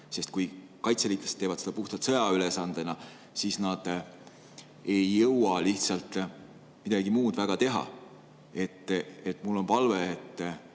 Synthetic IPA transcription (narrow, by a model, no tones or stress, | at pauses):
se̞st̪̚kuj | kɑjt̪selit̪ːˑest̪ːe̞ːvɑt̪sed̪ɑpuht̪ɑt̪sɤ̞jɑylesɑnd̪̥enɑ | siːsnɑd̪̥ | e̞jːɤwɑliht̪sɑlt̪ˑ | mid̪ɑɡimuːd̪̥væɡ̥ɑt̪e̞ɦɑ̰ | e̞t̪ːˑet̪ːˑmulːo̞npɑlveːt̪ː